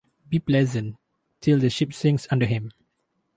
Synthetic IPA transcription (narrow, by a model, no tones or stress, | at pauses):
biplɛzə̃n | tʰɪldəʃipsɪ̃ŋsãndəhɪ̃m